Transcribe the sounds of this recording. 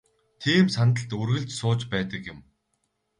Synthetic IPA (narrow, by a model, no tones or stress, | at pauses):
t̪ʰiːmsant̪ə̆ɬt̪ɵrɣɘ̆ɮt͡ɕsʊːt͡ɕpæːt̪ə̆kjʊ̆m